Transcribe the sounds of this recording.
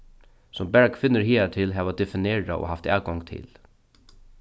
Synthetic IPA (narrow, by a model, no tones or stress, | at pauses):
sɔmbɛɹkfɪnːəɾɦiːat̪ʰɪlɦɛːʋad̪ɛfɪneːɹa̰ʔo̰ɦaft̪ɛːwɡɔŋt̪ʰɪ̰l